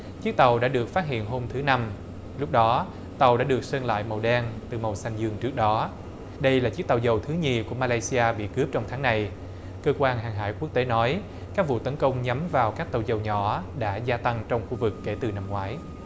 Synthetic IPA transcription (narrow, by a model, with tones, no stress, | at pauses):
t͡ɕɨ˦˥k̚t̪ə˨˩wɗa̰ː˧˥ɗɨ˨˩ək̚faː˦˥t̚hḭ˧˨ənɦo˧mt̪ʰɨ˨˦na˧m | lʊ˦˥k͡p̚ɗɔ˨˦ | t̪ə˨˩wɗa̰ː˧˥ɗɨ˨˩ək̚sə˧nla̰ː˧˨jmə˨˩wɗɛ˧nt̪ɨ˨˩mə˨˩wsa˧jŋzɨ˧əŋt͡ɕɨ˦˥ək̚ɗɔ˨˦ | ɗə˧jlaː˨˩t͡ɕi˦˥k̚t̪a˨˩wzə˨˩wt̪ʰɨ˨˦ɲi˨˩ku˧˩əmaː˧laː˧jsi˧ʔaː˧ɓḭ˧˨kɨ˦˥əp̚t͡ɕɔ˧ŋ͡mt̪ʰaː˨˦ŋna˧j | kəː˧kwaː˧nɦaː˨˩ŋɦa̰ː˧˩jku˦˥ək̚t̪e˨˦nɔ˨˦j | kaː˦˥k̚vṵ˧˨t̪ə˨˦nkə˧wŋ͡mɲa˨˦mvaː˨˩wkaː˦˥k̚t̪ə˨˩wzə˨˩wɲɔ̰˧˩ɗa̰ː˧˥zaː˧t̪a˧ŋt͡ɕɔ˧wŋ͡mxu˧vɨ˨˩kːe˧˩t̪ɨ˨˩na˧mŋwaː˨˦j